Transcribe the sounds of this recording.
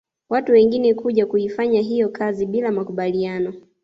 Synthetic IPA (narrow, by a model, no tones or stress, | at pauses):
watuwɛŋɡinɛkuʄakuifaɲaɦijɔkʰaziɓilamakuɓalianɔ